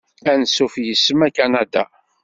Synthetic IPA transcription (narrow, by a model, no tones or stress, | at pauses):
ænsufjəsːəmækanæd̪a̰